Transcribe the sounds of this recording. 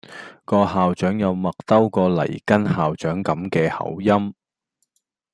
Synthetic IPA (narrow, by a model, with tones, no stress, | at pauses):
kɔː˧haː˨wt͡ʃœː˨˥ŋjɐ˨˧wmɐ˨k̚t̪ɐ˥wkɔː˧lɐ̰˨˩jkɐ˥nhaː˨wt͡ʃœː˨˥ŋkɐ˨˥mkɛː˧hɐ̰˨˥wjɐ˥m